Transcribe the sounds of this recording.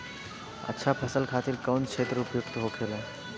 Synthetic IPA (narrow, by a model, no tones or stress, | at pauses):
ə̰tːʃʰapʰəsəlkʰat̪iɾkəwnkʃʰet̪ɾəupjukt̪əɦokʰelo